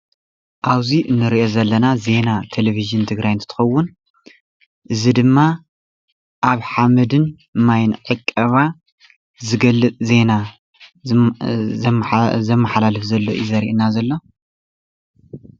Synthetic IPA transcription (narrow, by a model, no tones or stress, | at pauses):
ʔaβziʔɨnːɨɾiʔo̞zɐlːɐnaze̞nat̪ʰeleβiʒɨnt̪ʰɨɡɾajnt̪ʰt̪ʰɨ̥xɐwːʊn | ʔɨzid̪ɨmːa | ʔaβħamɨd̪ɨn | majnʕɨkʼːɐβa | zɨɡɐlːɨt͡s̪ʼze̞na | zɐmːɐħalalɨfzɐlːo̞ʔizɐɾḭʔnazɐlːo̞